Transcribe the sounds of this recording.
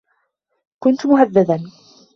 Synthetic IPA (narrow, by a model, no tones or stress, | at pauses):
kʊnt̪mʊhaðːaðan